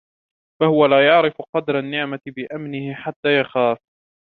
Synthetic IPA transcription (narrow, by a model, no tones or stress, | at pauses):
fahʊwalaːjɑʕɾɪfqɑd̪ɾˤanːɪʕmatbɪʔamnɪhɪħat̪ːaːjaxaːf